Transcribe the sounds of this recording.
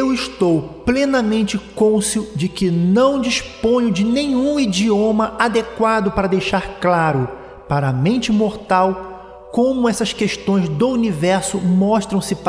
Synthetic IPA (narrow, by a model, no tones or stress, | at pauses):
ewɪʃt̪owplenɐmẽnt͡ʃɪkõsʊd͡ʒɪkɪnɐ̃w̃d͡ʒispõɲʊd͡ʒɪnẽɲũid͡ʒiõmɐʔad̪ekwad̪ʊpaɾɐd̪ejʃaɾklaɾʊ | paɾɐmẽnt͡ʃɪmoɾt̪aw | kõmʊɛsɐskeʃt̪õj̃zd̪ʊunivɛɾsʊmɔʃt̪ɾɐ̃w̃sɪp